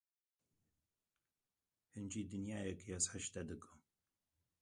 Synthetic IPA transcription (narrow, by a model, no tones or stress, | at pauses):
hɨnd͡ʒiːd̪ɨnjaːjɛkjɛsħəʃt̪ɛd̪ɨkɨ